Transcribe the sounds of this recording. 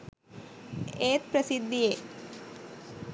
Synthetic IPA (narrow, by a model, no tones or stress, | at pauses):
eːt̪̚pɾɐsid̪ːieː